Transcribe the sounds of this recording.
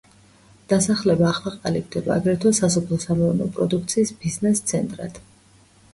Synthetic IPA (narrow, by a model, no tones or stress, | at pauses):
d̪̥asaχlɛbaːχlˠaqʼaliɡ̚d̪ɛbaːɡɾɛt̪ʰwasasɔpʰlˠɔsamɔvɛnɔpʼɾɔd̪uk̚ʰt̪sʰiːsb̥iznɛst̪sʰɛnt̪ʼɾa̰d̪̥